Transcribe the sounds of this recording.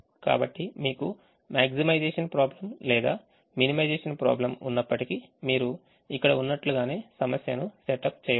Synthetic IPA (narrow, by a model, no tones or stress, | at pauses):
ka̰ːbɐʈːimiːku | maːksimɐjd͡ʒeːʂɐnpɾaːblɐmlɛːd̪a̰ː | minimɐjd͡ʒeːʂɐnpɾa̰ːblɐmunːɐpːɐʈikimiːɾu | ikːɐɽɐunːɐʈluɡaːne̞ːsɐmɐsjɐnuseʈɐp̚t͡ʃɛːjɐ